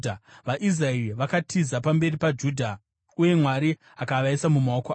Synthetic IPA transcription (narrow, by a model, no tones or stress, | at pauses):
ʋaʔiz̬raiʋakatʰizapambe̞ripad͡ʒuːdʱa | uje̞mwaɾi | akaʋaisamumao̞ko